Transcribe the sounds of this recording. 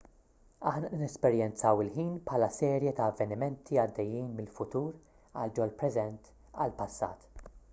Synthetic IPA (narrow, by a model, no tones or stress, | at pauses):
ɐħnɐʔnɛspɛɾjɛnt͡sɐwɪlħiːnpħɐːlɐsɛːɾjɛt̪ɐːvːɛnɪmɛnt̪ʰiɐd̪ːɛjːiːnmɪlfʊt̪uːɾ | ɐ̰ld͡ʒɔlpɾɛzɛnt̪ | ɐ̰lpɐsːɐ̰ːt̪